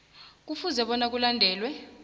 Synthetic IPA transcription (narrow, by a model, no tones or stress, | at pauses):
k̬ufuzɛɓɔnak̬ulandʱɛːlwɛ